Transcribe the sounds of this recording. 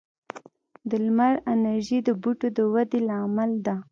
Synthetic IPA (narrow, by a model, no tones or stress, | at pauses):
d̪əlmaɾanaɾʒid̪əbuʈod̪əwad̪elɑmald̪a